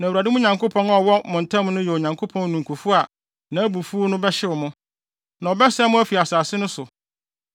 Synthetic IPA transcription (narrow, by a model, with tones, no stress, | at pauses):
nã˨wu˨ɾa˨dɪ˦mʊ̃˦ɲã˨ŋkʰo˦pʰɔ̃˦nɔ˦˨wɔ˦mʊ̃˨n̩˨tʰã˦m˦nʊ̃˦jɛ˨o˨ɲã˨ŋkʰo˦pʰɔ̃˦n˦nũ˨ŋ˨kʰu˨fu˦a˨ | nã˨æ˦bu˨fu˦o˦nʊ̃˦bɛ˦ɕɪ˦ʊ˨mʊ̃˦ | nã˨ɔ˨bɛ˦sɛ˦mʊ̃˦æ˦fi˨a˨saː˨sɪ˦nʊ̃˦sʊ˨